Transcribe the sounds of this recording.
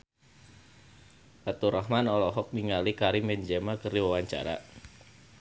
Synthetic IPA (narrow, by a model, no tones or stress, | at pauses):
at̪uɾɔhmanɔlɔɦɔk̚miŋalikaɾimɛnd͡ʒɛmakərdiwawaɲt͡ʃa̰ɾa̰